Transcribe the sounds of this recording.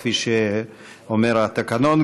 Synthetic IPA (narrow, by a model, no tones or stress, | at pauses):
fiʃe | omeɾat̪akanon